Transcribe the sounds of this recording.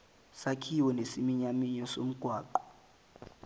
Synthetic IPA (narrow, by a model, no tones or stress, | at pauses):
sakʰiwɔnesimiɲamiɲɔsom̩ɡ̥ʱwaːǃɔ̥